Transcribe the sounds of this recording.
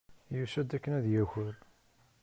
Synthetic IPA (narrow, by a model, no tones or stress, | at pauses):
jusæd̪ækːənæðjæçəɾ